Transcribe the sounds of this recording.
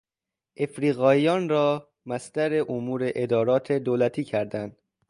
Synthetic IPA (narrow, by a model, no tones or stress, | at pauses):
ʔe̞fɾiːɣɒːijɒːnɾɒː | mæst̪æɾe̞ʔomuːɾe̞ʔed̪ɒːɾɒːt̪ʰe̞d̪olæt̪ʰiːcʰæɾd̪ænd̪̥